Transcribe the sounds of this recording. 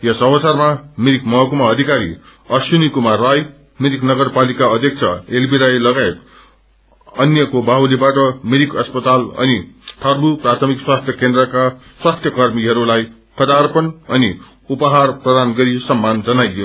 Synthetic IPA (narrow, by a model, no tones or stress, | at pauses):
jesʌbʌt͡sarmamiɾikmʌɦʌkumaʌd̪ʱikaɾḭ | ʌsjunikumaraj | miɾiknʌɡʌrpalikaʌd̪ʱjek̚t͡sʰʌelbiɾajlʌɡaet̪ | ʌnjʌkobaɦulibaʈʌmiɾikʌspʌt̪alʌ̰nit̪ʰʌrbuprat̪ʰʌmikswast̪ʰjʌkend̪rʌkaswast̪ʰjʌkʌrmiɦʌɾulaj | kʰʌd̪arpʌnʌni | upʌɦarprʌd̪anɡʌɾisʌmːand͡zʌnajo